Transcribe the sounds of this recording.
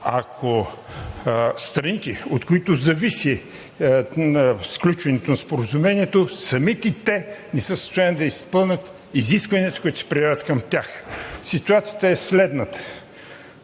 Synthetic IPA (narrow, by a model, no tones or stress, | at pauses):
akʰo | st̪ɾɐnit̪ɛot̪koit̪ʊzɐvisi | sklʲut͡ʃvɛnɛt̪onɐspoɾɐzumɛniɛt̪osɐmit̪ɛit̪ɛnɛsəsə̥st̪ojanid̪ɐispɤlˠnʲət̪ | iziskvɐniət̪ɐ̥koʊit̪ʊ̥sɛ̥pɾiavət̪kɐmt̪ʲjaxsit̪uat̪sijət̪əɛslɛd̪nət̪ə̥